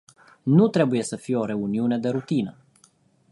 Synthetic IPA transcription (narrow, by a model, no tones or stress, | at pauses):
nut̪ɾe̞buje̞səfije̞o̞ɾe̞uniune̞d̪e̞ɾut̪inə